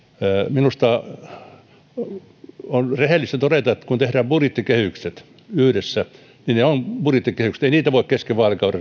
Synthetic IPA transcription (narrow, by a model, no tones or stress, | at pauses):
minust̪ɑ | onrehelːist̪æt̪oɾet̪ɑet̪ːkunt̪ehræːmpurit̪ːikehykset̪ | yhɾesːæ | nineonpurit̪ːikehyksĕ̥t̪einiːt̪æʋoˑikkeskeʋʋɑːlekɑurɑ